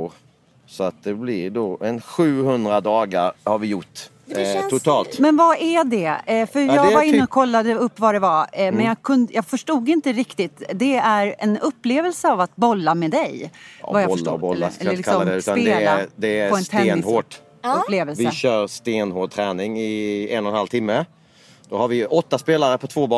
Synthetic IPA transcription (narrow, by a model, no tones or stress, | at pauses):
ɾ | sɔat̪̚d̪ɛblɪɾɖ̪oɛnɧʉ̟ːhɵnd̪ɾad̪ɑːɡaɾhaɾvɪjʊʈː | t̪ʰʊt̪ʰɑːlt̪mɛnvaʔæɖ̪ɛfœɾjɑːɡvaɾɪnːəɔkʰɔlːad̪əɵpːvad̪ɛvamɛnjɑɡkʰɵnd̪jɑːfœʂʈuːɡɪnt̪əɾɪkt̪ɪt̪d̪ɛæɾɛnɵpːleːvəlsəavat̪̚bɔlːamɛːd̪ɛjvajabɔlːaɛlːlɪkʰasɔːd̪ɛʉsːt̪anpeːlad̪ɛpɔɛnt̪ʰeːnhoːɖ | pleːvɛlvɪəɕœːɾst̪eːnhoːɖ̚t̪ʰɾɛːnɪŋɪɛ̰nːɔnhalt̪ʰɪmːə | d̪̥ɔhaɾvɪʔɔt̪ːaspeːlaɾəpʰɔt̪ʰvoːbɑ